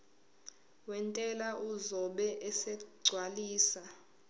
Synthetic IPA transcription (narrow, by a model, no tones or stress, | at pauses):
wɛntʼɛlaʔuzɔɓɛʔɛsɛɡ͡ǀʱwaliːsa